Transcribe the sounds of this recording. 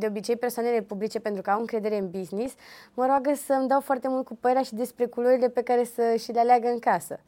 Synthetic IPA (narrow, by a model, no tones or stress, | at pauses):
d̪e̞o̞bit͡ʃe̞jpe̞rsoane̞le̞publit͡ʃe̞pe̞nt̪ɾukəawɨŋkɾe̞d̪e̞ɾeɨnbiznisməɾoaɡəsəmd̪awfoart̪e̞mult̪̚kupəeɾʲaʃid̪e̞spɾe̞kuloɾile̞pe̞kaɾe̞səʃilealeaɡəɨŋkasə̰